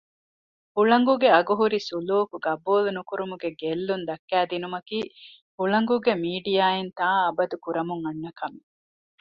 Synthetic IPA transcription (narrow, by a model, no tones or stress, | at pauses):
huɭɐŋɡuɡeɐɡuɦuɾisuluːkuɡɐbuːlunukuɾumuɡeɡelːund̪ɐkːæːd̪inumɐkiː | huɭɐŋɡuɡemiːɖijaːent̪aːɐbɐd̪ukuɾɐmuŋɐnːɐkɐmi